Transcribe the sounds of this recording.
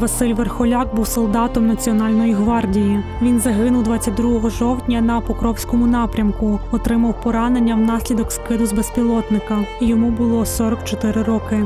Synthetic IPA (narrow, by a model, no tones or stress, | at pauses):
ʋɐsɪlʲʋerxɔlʲɑk̚buwsɔlˠd̪ɑt̪ɔmnɐt͡sʲiɔnɑlʲnɔjiɦʋɑrdʲijiʋʲinzɐɦɪnʊwd̪ʋɑt͡sʲːɐt̚ʲd̪ɾuɦɔɦɔʒɔwt̪ʲnʲɐnɐpɔkɾɔwsʲkɔmʊnɑpɾʲɐmkʊɔt̪ɾɪmɐwpɔɾɑne̞nʲːɐwnɑsʲlʲid̪ɔkskɪd̪ʊzbespʲilˠɔt̪nɪkɐijɔmubʊlˠɔsɔɾɔkt͡ʃɔt̪ɪɾɪɾɔkɪ